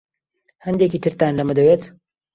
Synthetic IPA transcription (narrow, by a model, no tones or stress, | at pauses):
hɐnd̪ekiːt̪ʰɨɾt̪aːnlɐmɐd̪ɐweːt̪